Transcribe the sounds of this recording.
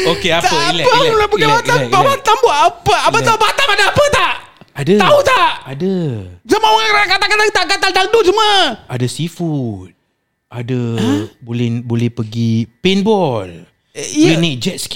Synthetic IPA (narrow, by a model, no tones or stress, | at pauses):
okeat̪əlɛpəlapəkaat̪aɛapat̪amboʔapəaət̪aubat̪amadəapət̪aʔ | adət̪aut̪aʔʔadəsamawaɾaakat̪akat̪at̪aʔkat̪ant̪adosuməadəsifut̪̚ | ʔadəbolɛhbolɛhpəɡipinbɔl | junit̚d͡ʒɛt̪̚sk